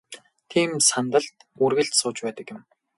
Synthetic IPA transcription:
t̪ʰiːmsant̪ə̆ɬt̪urɣɘ̆ɬt̪sʊːt͡ɕpæːt̪ə̆kjɪ̆m

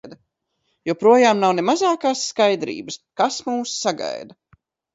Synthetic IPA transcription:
d̪ɐ | juɔpɾuɔjaːmnawnemazaːkaːsːkajd̪ɾḭːbəskasmuːsːaɡa̰jd̪ɐ

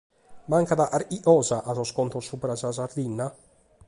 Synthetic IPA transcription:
maŋkaðaʔaɾiʔɔːzaʔazɔskɔnt̪osupɾasazaɾd̪inːa

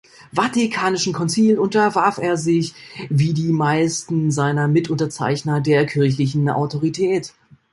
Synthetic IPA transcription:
vatikʰaːnɪʃn̩kʰɔnt͡siːlʊntɐvaɐfeːɐzɪçviːdiːmaɪstn̩zaɪnɐmɪtʔʊntɐt͡sa̰ɪçnɐdeːɐkʰɪɐç̬lɪç̬n̩ʔa̰ʊtʰoʁ̞itʰɛːt

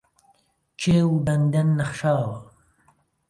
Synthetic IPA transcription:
t͡ʃʰeːwbɐnd̪ɐnːɐχʃaːwɐ

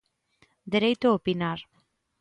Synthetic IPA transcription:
d̪eɾejt̪ʊopinaɾ

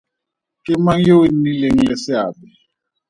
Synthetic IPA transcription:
kʼɪmaŋjowennileŋ̩lɛsɪaːbɛ

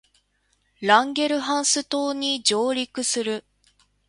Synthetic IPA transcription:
ɾãŋɡʲe̞ɾɯ̟ɦãɰ̃sɨt̪o̞ːɲ̟id͡ʑo̞ːɾʲikɯ̟sɨɾɯ̟

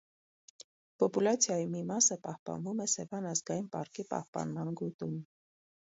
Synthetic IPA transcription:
pɔpulɑt͡sʰjɑjimimɑsəpɑhpɑ̰nvumɛsɛvɑnɑzɡɑjinpɑɾkipɑ̰hpɑ̰nmɑnɡut̪um

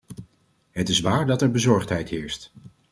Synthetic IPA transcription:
ɦətɪsʋaːɹdɑtɛɹbəzɔɹχtɦɛjtɦɪːɹst

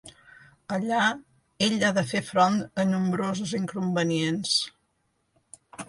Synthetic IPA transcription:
əʎa | eʎaðəfefɾont̪ənumbɾozəziŋkumbəniens

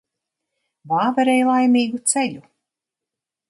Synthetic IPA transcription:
vaːvɛɾɛjlˠajmiːɡut̪seʎʲu

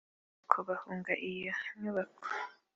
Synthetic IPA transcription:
kʰoβahuːŋɡaʔijaɲuβakʰo̥

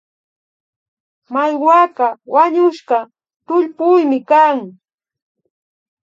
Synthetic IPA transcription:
majwakawaɲʊʃɢɑ | t̪ʊʎpʊjmɪkaŋ

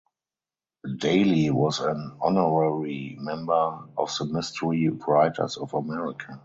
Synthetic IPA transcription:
deɪliwɔzæ̃nɔnɔɹɛɹimɛ̃mbə˞ɔfðəmɪstʰəɹiɹaɪtʰə̰˞sɔfəmɛɹɪkʰa

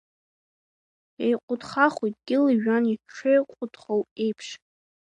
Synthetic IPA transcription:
ejqʷʼʊdχaχujtʼɡʲɪlɨʒᶣaniʈ͡ʂʰejqʷʼʊdχowe̞jpʰʂ

